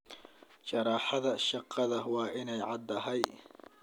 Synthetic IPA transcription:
t͡ʃɐɾɑːħɑðɐʃɑqʰːɑðɐwɑːʔɪnɛjʕɑd̪ɐɦɛj

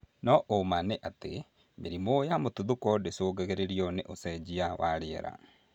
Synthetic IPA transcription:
nɔʔomaneʔatḛ | meɾimojamotuðokɔdesoːɡaɣeɾeɾiɔnḛʔosɛd͡ʑiawʔaɾeɛɾa̰

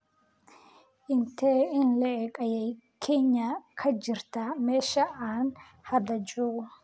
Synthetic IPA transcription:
ʔɪnt̪ʰeːɪnlɛʔɛkʼɐjɛj | kʰeːɲːakʰɐd͡ʒɪɾt̪ɐmeːʃɐʔaːn | hɐd̪ɐd͡ʒu

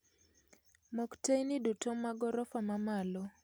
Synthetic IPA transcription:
mɔktejnidutɔmaɡɔɾɔfamamalɔ

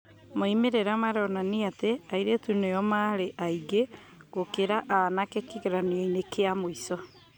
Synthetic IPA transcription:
moimeɾeɾamaɾeɔnaniateaiɾetuneɔmaɾeʔaiɡe | ɡokeɾaʔanakekeɣeɾaneɔinekeamoisɔ

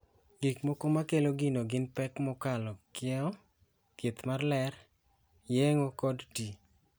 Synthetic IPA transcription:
ɡikmokomakeloɡinoɡɪnpɛkmɔkalɔkɪɛɔ | kit̪marlɛr | jeŋokɔdti

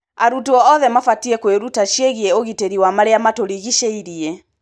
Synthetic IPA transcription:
aɾutuɔɔðɛmafatiɛkweɾutaʃieɣiɛoɣiteɾiwamaɾeamatoɾiɣiʃeiɾiɛ

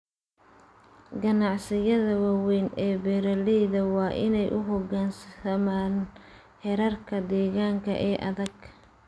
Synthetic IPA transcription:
ɡɐnɑʕsɪjɐðɐwɑːwɛjnɛːbɛɾɐliːðɐwɑːʔɪ̰nɛjʔʊɦɔɡaːnsɐɐmaːn | hɛɾɐrkʰɐd̪ɛːɣaːŋkʰɐ̰ʔɛːʔɐðɐɡ

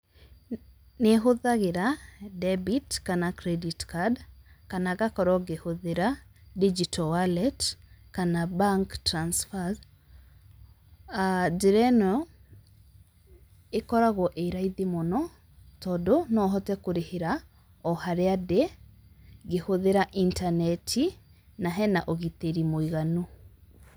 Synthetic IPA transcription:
neɦoðaɣeɾadɛbitkanakɾɛditkadkanaɣakɔɾɔɡehoðeɾadid͡ʒitʰɔwalɛtkanabaŋktɾansfa | ad͡ʒiɾɛnɔ | ekɔɾaɣɔʔeɾaiðemonɔ | tɔndonɔɦɔtɛkoɾeheɾa | ɔhaɾeade | ɡehoðeɾaʔintanɛtʰi | naɦɛna̰ʔoɣiteɾimoiɣanu

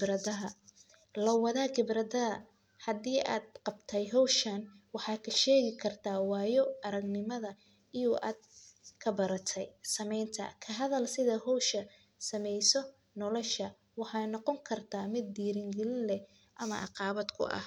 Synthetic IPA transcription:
brɐðɐɦɐ | lɐwɑðaːɡɪbrɐðɐðɐ | hɐdiːʔa̰ːd̪̚qɑbt̪ʰɛjɦɔwʃɐnwɑħɑːkʰɐʃɛːɣɪkʰɐrt̪ʰaːwɑːjɔɐɾɐɡnɪmɐðɐ | ɪjuʔaːd̪̥̚kʰɐbɐɾɐt̪ʰɛjsɐmɛjnt̪ʰɐ̰kʰɐɦɐðɐlsɪðɐɦɔwʃɐ | sɐmɛjsɔ | nɔlɔʃɐ | wɑħɑːnɔqɔŋkʰɐrt̪ʰaːmɪd̪̚ːiːɾɪŋɡɛlɪnlɛ | ʔɐmɐ̰ʔɑ̰qɑːβɐd̪kʰʊ̰ʔɐ̰h

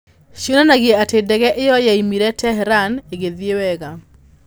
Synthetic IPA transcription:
ʃionanaɣeɛatedɛɣɛʔejɔjaimiɾɛtɛɦɛɾaneɣeðiewɛɣa

